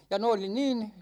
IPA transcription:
jɑ ne oli niːn

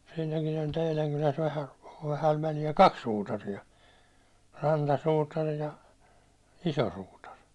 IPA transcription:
siːnækin olʲ teilæŋ kulæs ʋæhæ ʋæhæʋ ʋælijæ kɑks suːtɑrijɑ rɑntɑsuːtɑr jɑ iso suːtɑr

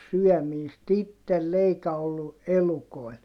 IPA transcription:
syœˑmiːst itːelː eikæ olːu elukoi̯l

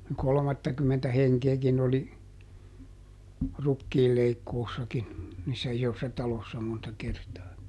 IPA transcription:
kolŏmɑtːɑkymːentæ heŋkeːkin oli rukːiːlːeikːoːsːɑkin niːsːæ isosːɑ tɑlosːɑ montɑ kertɑː

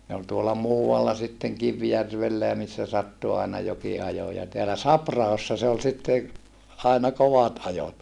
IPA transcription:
ne ol tuolɑ muːɑlːɑ sitːeŋ kiʋjærʋelːæ jɑ misːæ sɑtːu ɑˑenɑ joki ɑjo jɑ teælæ sɑprɑhosːɑ se ol sitːe ɑinɑ koʋɑt ɑjot

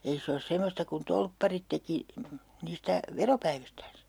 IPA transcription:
ei se os semːostɑ kun tolpːɑrit teki niːstæ ʋeropæiʋistæːns

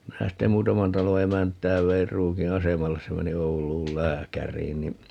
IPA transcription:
minæ ste muːtɑmɑn tɑlo emæntˑæː ʋeir ruːki ɑsemɑlːes se meni oulˑuːl læːkærˑiːn ni

